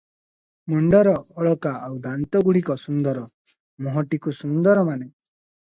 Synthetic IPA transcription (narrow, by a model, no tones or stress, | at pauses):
muɳɖɔɾɔːɭɔkaːwd̪ant̪ɔɡuɭikɔsund̪ɔɾɔ | mɔɦɔʈikusund̪ɔɾɔmane